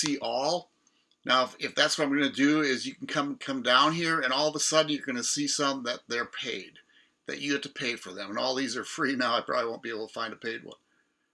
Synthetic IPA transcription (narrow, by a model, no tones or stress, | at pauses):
siʔɔlˠ | naʊfɪfðætswʌʌãməɡʌnɨdɨɪzjɨkn̩kʰʌ̃mkʰʌ̃mdãʊ̃nɦiɹɨ̃nɔlˠðəsʌdⁿn̩jə˞ɡʌnɨsisʌ̃mθɪ̃ðɨt̪̚ðə˞pʰeɪd̪̚ | ðɨ̰t͡ʃɨɡæd̚tʰɨpʰeɪfə̰˞ðɨ̃mə̃nɔ̰lˠðizə˞fɹinaʊaɪpʰɹ̥ɑ̰bliwõʊ̃nbieɪbl̩ˠtʰə̥fãɪ̃ntʰɨpʰeɪd̚wʌ̰̃n